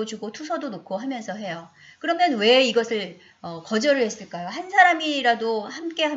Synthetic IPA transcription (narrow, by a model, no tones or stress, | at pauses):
d͡ʑuɡotʰusʰʌdonokʰoɦamjʌnsʰʌɦe̞jo | kɯɾʌmjʌnwe̞iɡʌsʰɯɭ | ʌkʌd͡ʑʌɾɯɭhe̞s͈ɯɭk͈ajohansʰaɾamiɾadohamk͈e̞ɦa